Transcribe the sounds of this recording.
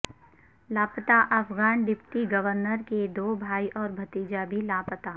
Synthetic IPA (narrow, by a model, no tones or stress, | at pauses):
laːpət̪aʔɐfɡaːnd̪ɪp̚t̪iɡɐʋəɾnəɾked̪oːbʱaːiʔɔːɾbʱɐt̪iːd͡ʒabʱilaːpət̪a